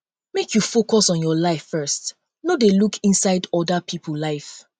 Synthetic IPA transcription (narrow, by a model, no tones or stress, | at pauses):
mekʰjufokɔsɔ̃njɔlaɪfːɜ˞st | nodelukʰĩnsaɪdɔdapʰipʰəllaɪf